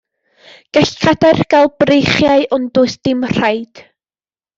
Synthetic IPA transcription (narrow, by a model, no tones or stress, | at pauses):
ɡ̥ɛɬkʰadarɡ̥alˠb̥rejχjaɨʔʊndʊɨsd̥ɪmr̥ajd̥